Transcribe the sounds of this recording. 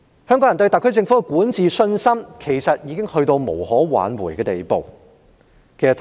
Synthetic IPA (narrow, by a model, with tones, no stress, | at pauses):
hœː˥ŋkɔː˨˥jɐ˨˩nt̪ɵ˧ɥt̪ɐ˨kʰːɵ˥ɥt͡sɪ˧ŋfu˨˥kɛ˧kuː˨˥nt͡siː˨sɵ˧nsɐ˥mkʰe˨˩jsɐ˨t̚jiː˨˧˥kɪ˥ŋhɵ˧ɥt̪o˧wmo̰˨˩whɔː˨˥wa̰ː˨˥nwuː˨˩jkɛː˧t̪e˨jpo̰˨˧w | kʰe˨˩jsɐ˨˩t̪